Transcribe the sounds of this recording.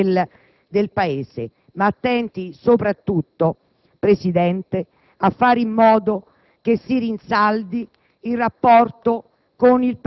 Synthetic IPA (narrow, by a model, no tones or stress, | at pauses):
l | d̪elpaeːse | mat̪ːɛnt̪isopɾat̪ːut̪ːo | pɾesid̪ɛnt̪e | afːaːɾimːɔːd̪o | k̟esːiɾinsald̪iː | lrːapːɔrt̪o | konilp